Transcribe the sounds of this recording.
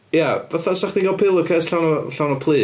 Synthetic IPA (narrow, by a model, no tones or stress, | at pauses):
javaθasaχdiŋɡɔlˠpʰɪlˠʊkʰɛːsɬawnɔɬawnɔpʰl̥ˠiː